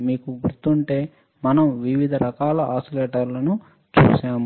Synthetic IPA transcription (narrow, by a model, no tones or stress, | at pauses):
miːkuɡuɾt̪ːuɳʈe̞ː | mɐnɐmʋiʋid̪ʱɐɾɐkaːlɐɦaːsileːʈɐɾlɐnu | t͡ʃṵːʃaːm